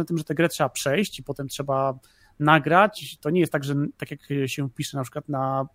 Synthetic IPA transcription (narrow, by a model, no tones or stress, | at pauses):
nat̪ɘmʐɛt̪ɛɡɾɛtʂɛbapʂɛjɕt͡ɕipɔt̪ɛmtʂɛba | naɡɾat͡ɕt̪ɔɲɛjɛst̪aɡʐɛt̪akʲjakɕɛpʲiʂɛnapʂɘkwat̪na